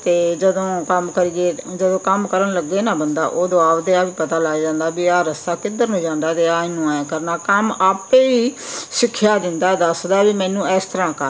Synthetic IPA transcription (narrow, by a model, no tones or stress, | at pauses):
t̪eːd͡ʒəd̪õːkəmkəɾiːeːd͡ʒəd̪õːkəmkəɾənləɡ̚d̪eːnaːbənd̪a̰ːʔoːd̪oaːʋd̪eːaːbiːpət̪aːlaːid͡ʒãːnd̪aːbiːaːɾəst̪aːkɪd̪əɾnõːd͡ʒãːnd̪aːt̪eːaːɪnũːɛːkəɾnaːkəmaːpeːiːsɪkʰjaːd̪ɪnd̪aːɛd̪əsd̪aːbiːmɛ̃ːnũːɛːst̪əɾãːkə